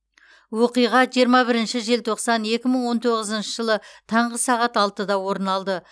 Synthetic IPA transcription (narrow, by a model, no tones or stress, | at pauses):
wo̞qijʁɑʒijəɾmɑbɪɾɪnʃɪʒe̞lt̪ʰo̞qsɑne̞kʲɪməɴwo̞nt̪ʰo̞ʁəzənʃəʒəlˠət̪ʰɑɴʁəsɑʁɑt̪ɑlˠt̪əd̪ɑwo̞ɾənɑlˠd̪ə